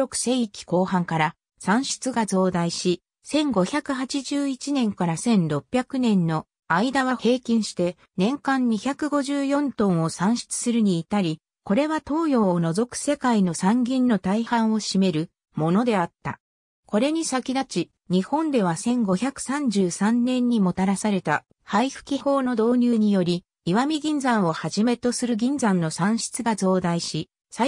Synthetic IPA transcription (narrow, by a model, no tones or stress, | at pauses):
okɯ̟̥seikʲi̥ko̞ːhãŋkaɾa | sãɰ̃ɕɨ̥t͡sɨɡazo̞ːd̪aiɕi | sẽ̞ŋɡo̞çʲakɯ̟hat͡ɕiʑɨːit͡ɕinẽ̞ŋkaɾasẽ̞nɾo̞pʲːjakɯ̟nẽ̞nːo̞ | aid̪aβahe̞ːkʲĩɰ̃ɕi̥t̪e̞ | nẽ̞ŋkãɲ̟ɲiçakɯ̟ɡo̞ʑɨːjõ̞nt̪õ̞ɰ̃o̞sãɰ̃ɕi̥t͡sɨ̥sɨɾɯ̟ɲ̟iːt̪aɾʲi | ko̞ɾe̞βat̪o̞ːjo̞ːono̞zo̞kɯ̟̥se̞kaino̞sãŋɡʲĩnːo̞t̪aihãɰ̃o̞ɕime̞ɾɯ̟ | mo̞no̞d̪e̞at̪ːa̰ | ko̞ɾe̞ɲ̟isakʲid̪at͡ɕi | ɲ̟ihõ̞nd̪e̞β̞asẽ̞ŋɡo̞çʲakɯ̟̥sãɲ̟d͡ʑɨːsãnːẽ̞ɲ̟ːimo̞t̪aɾasaɾe̞t̪a̰ | haiɸɯ̟̥kʲiho̞ːno̞d̪o̞ːɲ̟ɨːɲ̟ijo̞ɾʲiː | βamʲiɡʲĩnd͡zãɰ̃o̞haʑime̞t̪o̞sɨɾɯ̟ɡʲĩnd͡zãnːo̞sãɰ̃ɕi̥t͡sɨɡazo̞ːd̪aiɕi | sa